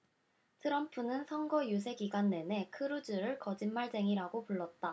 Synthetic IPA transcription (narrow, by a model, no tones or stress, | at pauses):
tʰɯɾʌmpʰunɯnsʰʌŋɡʌjus̬ʰe̞ɡiɡwanːe̞ne̞kʰɯɾud͡ʑɯɾɯɭkʌd͡ʑinmaɭs͈e̞ŋiɾaɡopuɭːʌt̚t͈a